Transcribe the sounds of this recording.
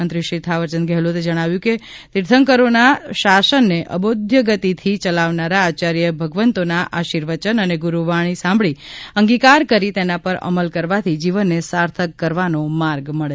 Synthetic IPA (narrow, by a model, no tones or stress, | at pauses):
ənt̪ɾiʃit̪ʰaʋəɾt͡ʃənɡɛɦlut̪ed͡ʒəɽ̃aʋjũke | t̪iɾt̪ʰəŋkəɾonaʃasənːeʔə̰bod̪ʱjəɡət̪it̪ʰit͡ʃəlaʋnaɾaːt͡ʃaɾjəbʱəɡʋənt̪onaʔaʃiɾʋət͡ʃənəneɡuɾuʋaɽ̃isãmbɭiəŋɡikaɾkəɾit̪enapəɾə̰məlkəɾʋat̪ʰid͡ʒiʋənːesaɾt̪ʰəkːəɾʋanomaɾɡməɭe